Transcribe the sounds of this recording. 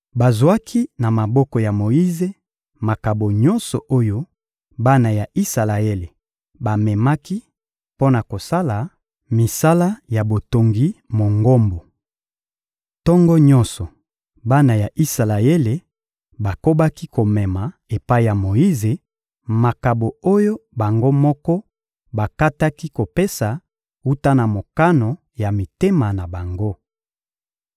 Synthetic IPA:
ba˨zwa˦kʰi˦na˨ma˨bɔ˦kɔ˨ja˨mo˨ji˦ze˨ | ma˨ka˨bo˨ɲɔ̃˦nsɔ˨ʔo˦jo˦ | ba˦na˨ja˨ʔi˦sa˨la˨e˦le˨ | ba˨mɛ˨ma˦ki˦ | po˦na˨ko˨sa˦la˨ | mi˨sa˦la˦ja˨bo˨to˨ŋɡi˦mo˨ŋɡo˦mbo˨ | tɔ˦ŋɡɔ˦ɲɔ̃˦nsɔ˨ | ba˦na˨ja˨ʔi˦sa˨la˨e˦le˨ | ba˨ko˦ba˦ki˦ko˨mɛ˨ma˨e˨pa˦i˦˨ja˨mo˨i˦ze˨ | ma˨ka˨bo˨o˦jo˦ba˨ŋɡo˦mɔ˦kɔ˦ | ba˨ka˦ta˦ki˦ko˨pe˦sa˨ | u˦ta˦na˨mo˨ka˦no˨ | ja˨mi˨te˦ma˨na˨ba˨ŋɡo˦

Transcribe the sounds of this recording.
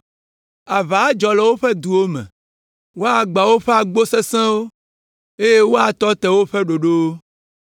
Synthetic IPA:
a˨va˨˦d͡ʒɔ˨lɛ˦wo˦ɸɛ˦d̪u˨wo˦mɛ̰̃˨ | wo˦a˨ɡ͡ba˨wo˦ɸe˦a˨ɡ͡bo˦se˦sɛ̃˦wo˦ | e˦je˦wo˦a˨t̪ɔ˦t̪ɛ˨wo˦ɸɛ˦ɖo˨ɖo˦wo˦

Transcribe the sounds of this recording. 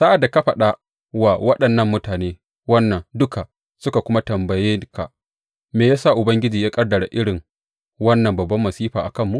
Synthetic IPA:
sa˦ʔa˨dːa˨ka˦ɸɐ˨ɗa˦ | waː˨wɐ˦ɗɐ˨nːɐ˦˨mːʊ˦taː˨neː˦ | wɐ˦nːɐ˨ŋdʊ˦ka˨ | sʊ˦ka˨kʷʊ˦ma˦tɐ˨mbɐ˨jɪ˦ka̰˨ | meː˨jaː˦sa˦˨ʔʊ˨bɐ˦ŋɡʲɪ˦d͡ʒiː˨jaː˦kʼɐ˦rdɐ˨ɽa̰˨ʔɪ˦ɽɪ˨ŋ | wɐ˦nːɐ˨mbɐ˨bːɐ˦mːɐ˨siː˦ɸaː˨ʔa˨kɐ˦˨mːu˦ʔ

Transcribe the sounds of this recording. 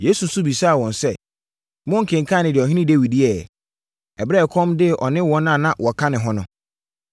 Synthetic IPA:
je˨˦su˨su˦bi˨sa˦a˨wɔ̃˨nsɛ˦˨ | mʊ̃˦ŋ̩˨kʰɪ̃˨ŋ˨kʰã˦˨nɪ̃˨dɪ˨ɔ˨ɦĩ˦nɪ̃˦de˦wi˨di˦ɛ˨ | ɛ˨bɾɛ˦˨kʰɔ̃˦mdɪ˦˨ʔɔ˨nɪ̃˦wɔ̃˦nã˦˨nã˦wʔɔ˨kʰã˦nɪ̃˨ɦɔ̃˦nʊ̃˦

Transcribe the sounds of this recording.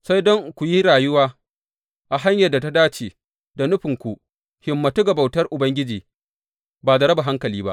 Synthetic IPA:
sa˦jdɔ˦ŋkʷu˨ji˦ɾaː˨jʊ˦waː˦ | ʔa˨ɦa˦ɲjɐ˨da˨ta˦daː˦t͡ʃeː˨ | da˨nʊ˦ɸɪ˨ŋkʷu˨ʔ | hɪ˨mːɐ˨tu˦ɡɐ˨ba˨wtɐ˦rʔʊ˨bɐ˦ŋɡʲɪ˦d͡ʒiː˨ | baː˨da˨ɾɐ˦ba˨ɦa˦ŋkɐ˨liː˦ba̰˦ʔ

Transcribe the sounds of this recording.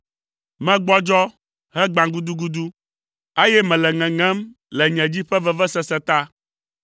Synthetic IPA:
mɛ̃˦ɡ͡bɔ˦d͡ʒɔ˦ | hɛ˦ɡ͡bã˨ɡu˦d̪u˦ɡu˦d̪u˦ | e˦jɛ˦mɛ̃˨lɛ˨ŋɛ̃˨ŋɛ̃˦m | lɛ˨ɲɛ̃˨d͡ʑi˦ɸɛ˦vɛ˦vɛ˦sɛ˦sɛ˨t̪a˦

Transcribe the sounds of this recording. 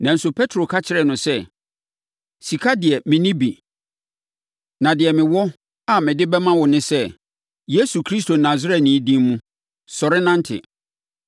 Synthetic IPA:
nã˨n̩˦sʊ˨pʰɛ˦tʰɾo˨kʰa˦t͡ɕʰɪ˨ɾɛ˨nʊ̃˨sɛ˦ | si˨kʰa˦dɪ˨ɛ˨mɪ̃˨nɪ̃˦bi˨ | nã˨dɪ˨ɛ˨mɪ̃˨wɔ˦ | a˨mɪ̃˨dɪ˦bɛ˦mã˦wɔ˨nɪ̃˦sɛ˦ | je˦su˨kʰɾi˦s̬tʰo˨nã˨zɪ˦ɾɛ˨nĩː˨˦dĩ˦mmũ˦ | sɔ˨ɾɪ˦nã˦n̩˦tʰɪ̰˨

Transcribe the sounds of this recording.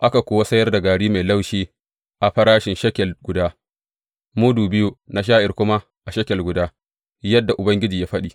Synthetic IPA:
ʔa˦ka˨kʷoː˨wa˦sɐ˦jɐ˦rda˨ɡaː˨ɽiː˦ma˨jla˦wʃiː˦ | ʔa˨ɸɐ˦ɾaː˦ʃɪ˨nʃɐ˦kʲɛ˨lɡʷʊ˨daː˦ | mu˦duː˨bɪ˦ju˨na˨ʃ̬aː˦ʔɪ˨rkʷʊ˦ma˦ | ʔa˨ʃɐ˦kʲɛ˨lɡʷʊ˨daː˦ | jɐ˦dːa˨ʔʊ˨bɐ˦ŋɡʲɪ˦d͡ʒiː˨jaː˦ɸɐ˦ɗiː˨

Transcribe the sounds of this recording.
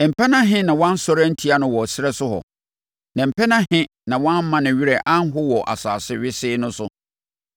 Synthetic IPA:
m̩˨pʰɛ˦nã˦ɦɪ̃˦nã˨wɔ̃˦n̩˦sɔ˦ɾa˦n̩˦tʰi˦a˦nʊ̃˨wɔ˨sɪ˦ɾɛ˦sʊ˦hɔ̰˨ | nã˨m̩˨pʰɛ˦nã˦hɪ̃˦ | nã˨wɔ̃˦m˦mã˦nɪ̃˨ɥi˦ɾɛ˨ʔã˦n˦ɦʊ˦wɔ˨ʔa̰˨sa̰ː˨sɪ˦ɥɪ˦sɪː˦nʊ̃˦sʊ˦

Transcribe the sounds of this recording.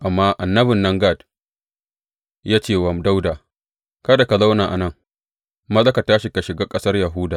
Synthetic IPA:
ʔa˨mːaː˦ʔa˨nːɐ˦bɪ˨nːɐ˦ŋɡa˦˨d | jaː˦t͡ʃeː˦˨wɐ˨mda˦wdaː˨ | kɐ˦da˨ka˨za˦wnaː˨ʔa̰˨nɐ˦ŋ | mɐ˦lɐ˦ka˨taː˦ʃi˨ka˨ʃɪ˨ɡaː˦kʼɐ˦sɐ˦rjɐ˨ɦʊ˦daː˨

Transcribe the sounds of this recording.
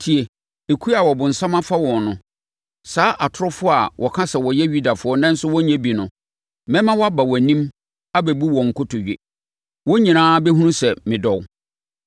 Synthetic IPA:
tʰi˨e˨ | e˨kʰu˦a˨wɔ˨bʊ̃˨n̩˨sã˦mã˦fa˦wɔ̃˨nnʊ̃˨ | saː˦ʔa˨tʰʊ˦ɾʊ˦fʊ˦a˨wʔɔ˨kʰã˦sɛ˨wɔ˨jɛ˦ɥu˦da˨fʊ˨˦ɔ˦nã˦n̩˦sʊ˦wɔ˦ɲɛ̃˦bi˨nʊ̃˨ | mɛ̃˦mã˦wɔ˦a˦ba˨wɔ˨nĩ˦m | a˦bæ˨bu˦wɔ̃˨ŋ̩˨kʊ˦tʰʊ˨ɥᶣḭ˨ | wɔ˦ɲĩ˨nãː˦bɛ˦ɦũ˦ũ˦sɛ˨mɪ̃˨dɔ˨w

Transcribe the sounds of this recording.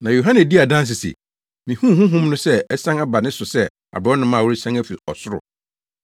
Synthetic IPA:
nã˨jo˨ɦã˦nɛ̃˨di˦a˨dã˦s̬ɪ˨sḭ˨ | mĩ˨hũ˦˨hũ˦ɦũ˦mnʊ̃˦sɛ˦ɛ˦sã˦ŋa˦ba˨nɪ̃˦sʊ˨sɛ˦ | a̰˨bɾɔ˦nʊ̃˦mãː˦˨wʊ˦ɾi˦sã˦ŋæ˦fi˨ɔ̰˨sʊ˦ɾʊ̰˨

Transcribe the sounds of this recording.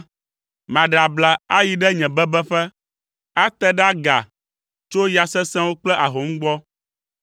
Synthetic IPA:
mã˨ɖa˨bla˨a˦ji˨ɖɛ˦ɲɛ̃˨bɛ˦bɛ˦ɸɛ˦ | a˦t̪ɛ˦ɖa˦ɡa̰˨ | t͡ʃo˦ja˨sɛ˦sɛ̃˦wo˦k͡plɛ˦ʔa˨ɦo˨˦ŋ̩̃˦ɡ͡bɔ˦

